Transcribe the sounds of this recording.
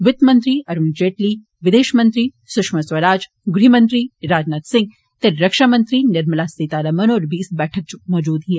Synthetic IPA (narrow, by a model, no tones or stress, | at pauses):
ʋɪt̪mɐnt̪ɾiːɐɾund͡ʒeːʈliː | ʋɪd̪eːʃmɐnt̪ɾiː | sʊkʃmɐsʋɐɾaːd͡ʒ | ɡɾiːmɐnt̪ɾiːɾaːd͡ʒnat̪sɪ̃ŋɡ | t̪eɾɐkʃaːmɐnt̪ɾiːnɪɾmɐlaːst̪it̪aːɾɐmɐnoːɾbʱiːsbɛːʈʰɐk̚t͡ʃumɔːd͡ʒuːd̪ɦie